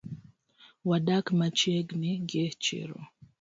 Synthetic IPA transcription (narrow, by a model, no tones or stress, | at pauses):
wadakmat͡ʃeɡnɪɡet͡ʃɪ̰ɾo̰